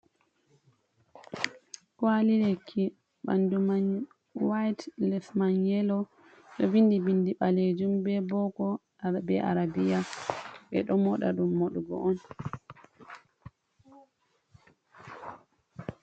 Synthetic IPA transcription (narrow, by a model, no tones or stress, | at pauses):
kwalilekʰːi | ɓa̰nduma | wajtlɛfmaɲɛlɔ | ɗɔbindibindiɓaled͡ʒumbɛbɔɡɔ | bɛʔa̰ɾabijaɓɛ̰ɗɔmɔɗa̰ɗumːoɗuɡɔ̰ʔɔn